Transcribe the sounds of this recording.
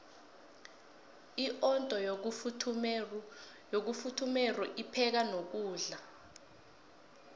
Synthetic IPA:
iʔɔntʼɔj̬ʰ | jok̬ufutʰumɛrɔʔipʰɛk̬anok̬uːɮa

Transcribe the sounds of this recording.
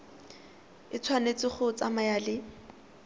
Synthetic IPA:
ɪt͡sʰwanet͡sɪχʊt͡samajalɪ

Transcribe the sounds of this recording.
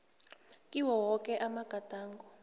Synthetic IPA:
kʼiwɔwɔkʼɛʔamaɡ̥ʱatʼaːŋɡɔ

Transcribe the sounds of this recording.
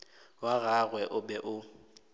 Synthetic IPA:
waɣaɣwɛʔʊbɛʔʊ

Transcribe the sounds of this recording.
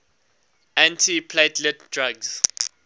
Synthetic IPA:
ãntʰipʰletʰlɛt̚dɹaɡz̥

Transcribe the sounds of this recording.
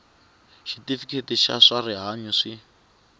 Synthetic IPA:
ʃitifikʰetiʃa̰ʂariɦaɲuʂi

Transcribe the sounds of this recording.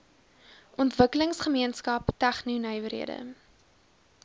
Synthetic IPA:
ʔɔntvəkələŋsχəmiənskɐptæχninœjvəɾɦḭədə̰

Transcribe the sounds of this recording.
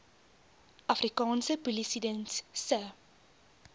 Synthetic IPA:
ʔɐfrikɑːnsəpulisidənssə

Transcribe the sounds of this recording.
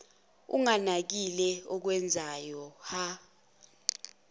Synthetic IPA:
ṵŋanak̬ilɛɔk̬wɛnd͡zʱajɔha

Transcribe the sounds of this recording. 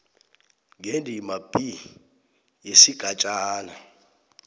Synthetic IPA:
ŋɡʱendʱimab̥ʱi | jesiɡ̥ʱat͡ʃʼaːna

